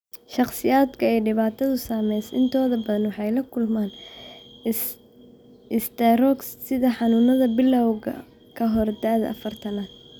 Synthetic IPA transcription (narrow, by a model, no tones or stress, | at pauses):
ʃɑqsɪjaːd̪kʰɐɛːɖɪβaːt̪ʰɐðʊsaːmɛjsʔɪnt̪ʰɔːðɐbɐðɐnwɑħɑjlɐkʰʊlmaːn | ɪst̪ʰɐrɔkssɪðɐħɑnʊːnɐðɐbɪlɐwɣɐ̰ | kʰɐɦɔrd̪aːðɐ̰ʔɐ̰fɐrt̪ʰɐnaːn